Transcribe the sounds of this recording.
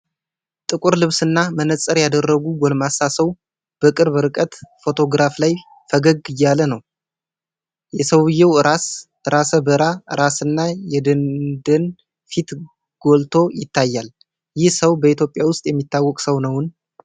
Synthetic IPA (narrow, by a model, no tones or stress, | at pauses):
t̪ʼɨkʼuɾlɨβsɨnːamənət͡sʼːəɾjad̪ərːəɡuɡɔlmasasəw | b̥əkʼɨɾβɨɾɨkʼət̪fo̞t̪ʰo̞ɡɾaflaj | fəɡəɡɨjːalənəw | jɛsəwɨjːɛwɨɾasʔɨɾasəbəɾaʔɨɾasɨnːajɛd̪ənd̪ən | fit̪ | ɡ̥o̞lt̪ʰo̞jɪt̪ʰːajːal | jɪhsəwbəit̪ʰjo̞pʼjawʊst̪ʼjɛmːit̪ʰːawːɔkʼsəwnəwɨn